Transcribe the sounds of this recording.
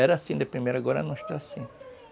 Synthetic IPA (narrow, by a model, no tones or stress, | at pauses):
ɛɾɐasĩd̪epɾimejɾʊaɡɔɾɐ̰nɐ̃ɪʃt̪aasĩ